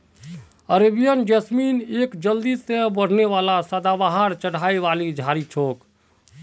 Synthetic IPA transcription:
əɾebijənd͡ʒɛsminekd͡ʒəld̪isebəɽ̤neʋalasəd̪abaɦəɾt͡ʃəɽ̤aiʋalid͡ʒʱaɾit͡ʃʰoːk

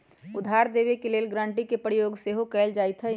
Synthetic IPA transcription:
ʊd̪ʱaːɾd̪eːʋekeleːlɡɾãːɳʈikepɾijoːɡseɦokɛld͡ʒaːɪt̪ʰɦɛ

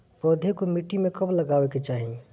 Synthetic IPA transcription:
pɔːd̪ʱekomiʈːimẽkɐblɐɡaːʋeket͡ʃaːɦĩ

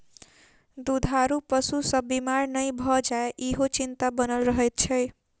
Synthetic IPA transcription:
d̪ud̪ʱɦaɾupʌsusʌbimarnʌjbʱʌd͡zaeʔiɦot͡sint̪abʌnʌlrʌɦet̪̚t͡sʰʌj

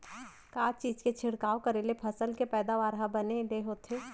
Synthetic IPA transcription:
kaːt͡ʃiːd͡ʒket͡ʃʰɪɽkaːokəɾelepʰɐsəlkepɛːd̪aʋaːɾɦabəneleɦoːt̪ʰeː

